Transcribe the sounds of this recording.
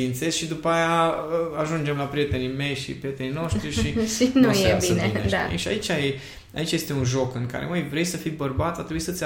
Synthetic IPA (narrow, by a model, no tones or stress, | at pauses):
int̪se̞zʃid̪upəajaəaʒund͡ʒe̞mlapɾije̞t̪e̞nime̞jʃḭpɾie̞t̪e̞nino̞ʃt̪ɾiʃinujeineiḛʃia̰it͡ʃaj | a̰it͡ʃaje̞st̪e̞unʒo̞kɨŋka̰ɾeojvɾe̞jsəfijbərbat̪sʲat̪ɾebuisət̪sʲ